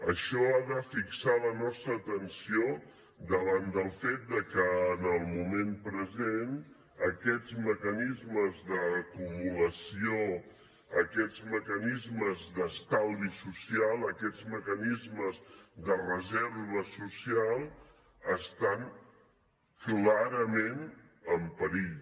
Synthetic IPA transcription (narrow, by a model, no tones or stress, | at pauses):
əʃɔaðəfiksalənɔst̪ɾəːt̪ənsio | d̪əβand̪əlˠfet̪̚d̪əkəːnəlˠmumempɾəzen | əkɛd͡zməkənizməzðəːkumuləsio | əkɛd͡zməkənizməzðəst̪alˠβisusialˠəkɛd͡zməkənizməzd̪ərəzɛɾβəsusialˠ | əst̪an | klaɾəmen | əmpəɾiʎ